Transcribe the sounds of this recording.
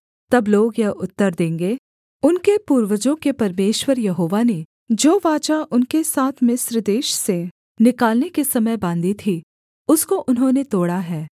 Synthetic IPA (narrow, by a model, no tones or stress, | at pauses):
t̪ɐbloːɡjɐɦʊt̪ːəɾd̪ẽːŋɡeː | ʊnkepuːɾʋəd͡ʒõkepɐɾmeːʃwəɾjɐɦoːʋane | d͡ʒoːʋaːt͡ʃaʔʊnkesaːt̪ʰmɪsɾd̪eːʃse | nɪkaːlnekesɐməjbãːnd̪it̪ʰi | ʊskoʔʊnɦõnet̪oːɽaɦɛː